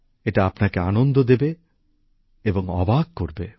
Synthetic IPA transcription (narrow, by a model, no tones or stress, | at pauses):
eʈaapnakeanond̪ʱod̪ebe | eboŋɔ̰baɡ̚koɾbe